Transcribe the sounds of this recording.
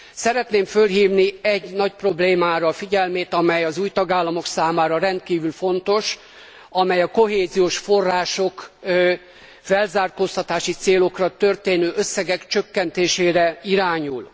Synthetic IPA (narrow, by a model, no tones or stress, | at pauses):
sɛɾɛt̪neːmfølɦiːvniɛɟnɒc̚pro̞bleːmaːɾɒfiɟɛlmeːt̪ɒmɛjɒzuːjt̪ɒɡaːlːɒmo̞ksaːmaːɾɒɾɛnt̪kiːvylfo̞nt̪o̞ʃ | ɒmɛjɒko̞ɦeːzijoːʃfo̞rːaːʃo̞k | fɛlzaːrkost̪ɒt̪aːʃit̪seːlo̞krɒt̪ø̞rt̪eːnøːʔøsːɛɡɛkt͡ʃøkːɛnt̪eːʃeːɾɛiɾaːɲul